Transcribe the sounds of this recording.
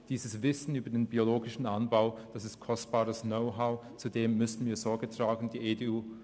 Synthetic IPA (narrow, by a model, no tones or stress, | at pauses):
d̥iːzəsv̥ɪsn̩yːbɐdeːnbioloːɡɪʃn̩ʔanbaʊd̥asɪstkʰɔstb̥aːɐdəsnoʊɦaʊt͡sudeːmːʏsn̩viːɐzɔɐɡətʁ̥aːɡn̩diːʔeːdeuː